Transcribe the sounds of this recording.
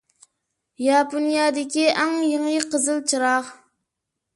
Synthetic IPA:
jɑponijɑd̪ɪkʲiʔɑŋjɪŋiqəzɨlˠt͡ʃʰɨɾɑq

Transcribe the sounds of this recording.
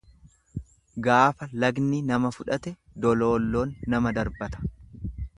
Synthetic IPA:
ɡaːfɐlɐɡninɐmɐfʊᶑɐt̪ɛ | d̪ɔlo̞ːlːo̞ːnːɐmɐd̪ɐɾbɐt̪ɐ̥

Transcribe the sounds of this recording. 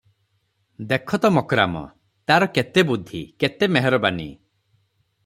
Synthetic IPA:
d̪ekʰɔt̪ɔmɔkɾamɔ̰ | t̪aɾɔket̪ebud̪ʱːḭket̪emeɦeɾɔbanḭ

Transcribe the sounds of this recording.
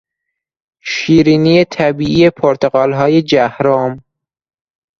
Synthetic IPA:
ʃiːɾiːniːjet̪ʰæbiːʔiːepʰoɾt̪ʰeɣɒːlɦɒːjed͡ʒæhɾɒːm

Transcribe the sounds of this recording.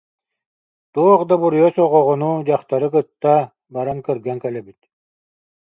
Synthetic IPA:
t̪uɔʁd̪abuɾujɔsɔʁɔʁɔnud͡ʑaχt̪aɾɯkɯt̪ːa | baɾaŋkɛɾɡɛŋkɛlɛbit̪

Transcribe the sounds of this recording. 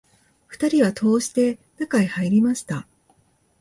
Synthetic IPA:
ɸɯ̟̥t̪aɾʲiβat̪ʰo̞ːɕi̥t̪e̞nakaihaiɾʲimaɕi̥t̪a

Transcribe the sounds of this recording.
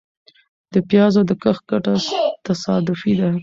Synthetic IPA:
d̪̥əpjɑzod̪əkəxɡaʈat̪asɑd̪ʊfid̪a

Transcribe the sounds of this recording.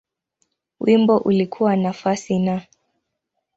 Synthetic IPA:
wimbɔʔulikʰuwanafasina

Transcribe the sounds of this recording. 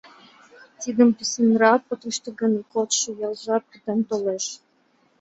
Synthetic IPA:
t̪id̪ə̆mpisʲĭnrɑpɤ̆t̪əʃt̪ə̆ɡɤ̆nikot̪ʃɤ̆jɑlˠʒɑpit̪ĕmt̪oleʃ

